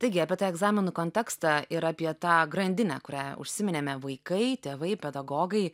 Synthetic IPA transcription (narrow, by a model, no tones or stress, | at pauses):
t̪ɐɪɡʲɪɑːpʲiɛt̪ɑːɛɡzɑːmʲɪnukoːnʲt̪ʲɛːkst̪ɑɪɾɑːpʲiɛt̪ɑːɡɾɐnʲd̪ʲɪnʲæ̰kʊɾʲæːʊ̰ʃʲsʲɪmʲɪnʲeːmʲɛʋɐɪkɐɪt̪ʲeːʋɐɪpʲɛd̪ɐɡoːɡɐɪ